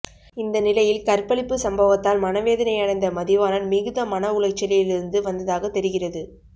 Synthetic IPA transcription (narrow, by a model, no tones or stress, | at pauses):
ɪnd̪ɐnɪlɐjɪlkɐɾpːɐɭɪpːɯsɐmbɐʋɐt̪ːaːlmɐnɐʋeːðɐnɐɪjɐɽɐɪnd̪ɐmɐðɪʋaːnɐnmɪɣɯðɐmɐnɐʊɭɐɪt͡ʃːɐlɪɪlɪɾɯnd̪ɯʋɐnd̪ɐðaːɣɐt̪ːɛɾɯɣɪrɐðɯ